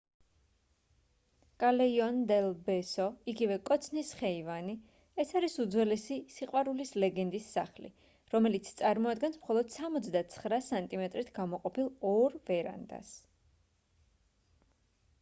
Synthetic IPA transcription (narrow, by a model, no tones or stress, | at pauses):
kʼalɛiɔnd̪ɛlˠbɛsɔiɡivɛkʼɔt̪sʰnisχɛivani | ɛsaɾisud̪zwɛlɛsisiqʼwaɾulislɛɡɛnd̪isːaχlḭ | ɾɔmɛlit̪sʰt̪sʼaɾmɔad̪ɡɛnsmχɔlˠɔd̪̥samɔt̪sʰd̪at̪sʰχɾasant̪ʼimɛt̪ʼɾit̪ʰɡamɔqʼɔpilˠɔɾvɛɾa̰nd̪a̰s